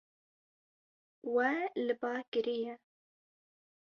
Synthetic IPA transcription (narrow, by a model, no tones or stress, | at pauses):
wɛlɨbɑːkɨɾijɛ